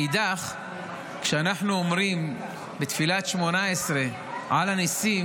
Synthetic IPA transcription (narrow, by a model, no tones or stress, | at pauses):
id̪aχ | kʃeanaħnuomɾim | bet̪filat̪ʃmonaesɾe | ʕalanisi